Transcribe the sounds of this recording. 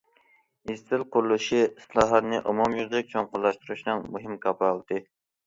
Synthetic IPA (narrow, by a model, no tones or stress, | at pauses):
izt̪ɪlˠqʰʊɾulˠɨʃislˠɑːɦɑt̪nɨʔomɔmjyɾd̪ɪk̚ʲt͡ʃʰoŋqʊlˠːɑʃt̪uɾuʃnɨŋmuɦɪmkʰɑplˠd̪ɨ